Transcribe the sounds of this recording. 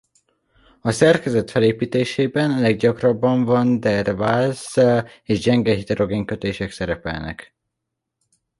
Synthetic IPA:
ɒsɛrkɛzɛt̪fɛleːpiːt̪eːʃeːbɛnɒlɛɡ̚ɟɒkrɒbːɒɱvɒnd̪ɛrvazeːʒd͡ʒɛŋɡɛɦit̪ɛɾʔo̞ɡeːŋkø̞t̪eːʃɛksɛɾɛpɛ̰lnɛ̰k

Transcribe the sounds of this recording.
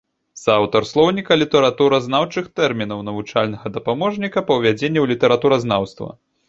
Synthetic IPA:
sawt̪ɐrslˠɔwnʲikɐlʲit̪ɛɾat̪uɾɐznawt͡ʂɨxt̪ɛrmʲin̪ɐwnɐvut͡ʂalʲnɐɣɐd̪ɐpamɔʐnʲikɐpɐwvʲad͡zʲenʲːɛwlʲit̪ɛɾat̪uɾɐznawst̪vɐ̰

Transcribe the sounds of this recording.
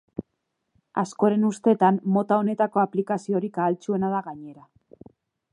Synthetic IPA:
asko̞ɾe̞nust̪e̞t̪ammo̞t̪ao̞ne̞t̪ako̞aplikasio̞ɾikaːlt͡sue̞naðaɣaɲe̞ɾa

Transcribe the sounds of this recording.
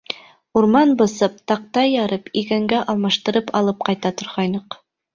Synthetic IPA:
uɾmɑnbɤ̆sɤp̚t̪ɑq̚t̪ɑjɑɾɤpikæŋɡæʔɑlˠmɑʃt̪ɤ̆ɾɤpɑlˠɤp̚qɑjt̪ɑt̪ŏɾʁɑjnɤq

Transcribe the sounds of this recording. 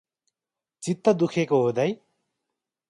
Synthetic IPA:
t͡sit̪ːʌd̪ukʰekoɦod̪ʌj

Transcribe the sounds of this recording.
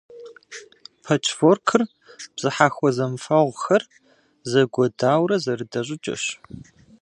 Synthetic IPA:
pʰɐt͡ʃʰforkʰɨr | b̥z̥ɨħaːxʷɔzɐmfɐʁʷxɐr | zɐɡʷɔdaːwɾɐzɐrɨdɐɕʼɪt͡ʃʼɐ̰ɕ

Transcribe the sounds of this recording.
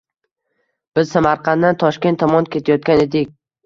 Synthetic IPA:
b̥ɪzsamaɾqʰɑnd̪ant̪ʰɒʃkʲe̞nt̪ʰːɒmɒnkʲe̞t̪ʰajɒt̪̚kʲane̞d̪ɪkʲ

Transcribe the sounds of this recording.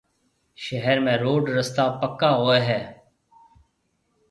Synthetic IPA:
ʃəɦəɾmẽːɾoːɖɾəst̪aːpəkːaːɦoːeːɦɛː

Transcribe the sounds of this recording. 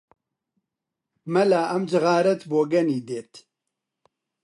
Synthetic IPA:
mɐlaːʔɐmd͡ʒɨɣaːɾɛt̪boːɡɐniːd̪eːt̪

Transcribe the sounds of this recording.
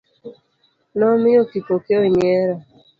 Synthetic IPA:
nɔmɪotipokeoɲeɾa

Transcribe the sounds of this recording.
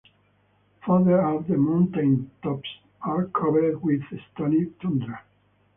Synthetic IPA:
faðə˞ɔvðəmãnt̪ẽnt̪ɔps | aɹkʰɔvəɹd̪wiðst̪anit̪ʰɔ̃nd̪ɾa

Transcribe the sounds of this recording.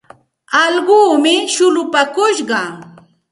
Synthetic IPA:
ɑlɢuːmɪʃʊlʊpakʊʃɢɑ

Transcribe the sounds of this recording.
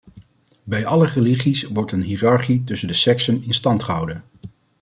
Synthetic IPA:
bɛjʔɑləreliχisʋɔɹtənɦiːrɑɹχitɵsəndəsɛksənɪnstɑntχəɦɑ̰wdən

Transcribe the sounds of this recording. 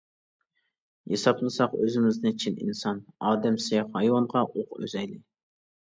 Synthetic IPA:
jɑsɑplˠɨsɑqøzɪmɪznɪt͡ʃʰinḭnsɑnɑːd̪ɛmsejχhɑjwɑɴʁɑʔoqø̰zɛjlɪ

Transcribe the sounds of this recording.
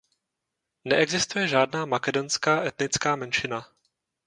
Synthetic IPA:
nɛʔɛɡzɪst̪ujɛʒaːdnaːmakɛdo̞nskaːʔɛt̪nɪt͡skaːmɛnʃɪna

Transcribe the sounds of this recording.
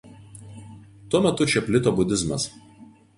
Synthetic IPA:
t̪uɔmʲɛt̪ʊt͡ʃʲɛpʲlʲɪt̪oːbʊd̪ʲɪzmɐs

